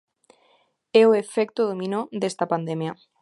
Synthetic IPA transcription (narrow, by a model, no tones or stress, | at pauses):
ɛoefekt̪oðomĩnoðest̪apand̪emja